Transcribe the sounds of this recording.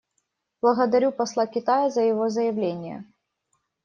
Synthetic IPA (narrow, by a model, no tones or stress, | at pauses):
b̥lˠɐɣɐd̪ɐɾʲupɐslˠakʲɪt̪ajɐzəjɪvozəjɪvlʲenʲɪjə̰